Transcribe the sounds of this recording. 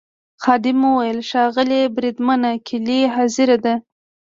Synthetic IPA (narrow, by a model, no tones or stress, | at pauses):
xɑd̪ɪmuwajəlʃɑɣəlebɾid̪manakʰɪliɦɑzɪɾad̪a